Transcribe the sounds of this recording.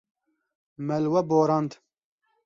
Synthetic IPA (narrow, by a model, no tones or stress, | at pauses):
mɛlwɛboːɾɑnd̪